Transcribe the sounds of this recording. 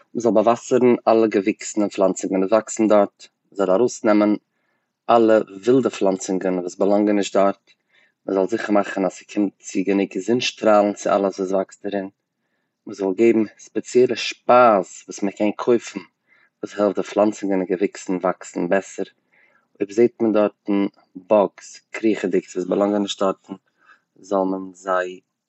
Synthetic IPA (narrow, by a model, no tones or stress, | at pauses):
məzɔlˠbavasəɾn̩alˠəɡəvɪksn̩ənflˠant͡sɪɡənəvaksn̩dɔɾt | məzɔlˠaɾoʊsnɛmən | ʔalˠəvɪlˠdəflˠant͡sɪŋɡənvuːsbəlˠaŋɡənɪʃtdɔɾt | məzɔlˠzɪχəɾmaχənasɪ̥kʰɪmtt͡sɪɡənɪɡəzɪnʃtɾaːlˠn̩t͡sɪʔa̰lˠəsvuːsvakstdəɾɪn | məzɔlˠɡeɪbm̩spɛt͡sjɛlˠəʃpaːsvuːsməkʰɛnkʰoɪfn̩ | vuːshɛlˠftdɪflˠant͡sənɡɪnəɡəvɪksn̩vaksn̩bɛsəɾ | oɪbzeɪt̚məndɔɾtn̩ | bɔkskʰɾiːχədɪksvuːsbəlˠaŋɡənɪʃt̚d̥ɔɾtn̩ | zɔlˠmənzaɪ